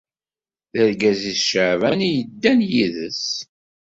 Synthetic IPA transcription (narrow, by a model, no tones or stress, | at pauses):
θəɾɡæziθʃəʕvænijəd̪ːænjiðəs